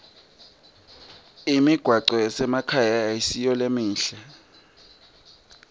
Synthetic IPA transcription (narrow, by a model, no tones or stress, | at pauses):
imiɡ̥ʱwaǀɔjɛsɛmakʰajaisijɔlemiːɬɛ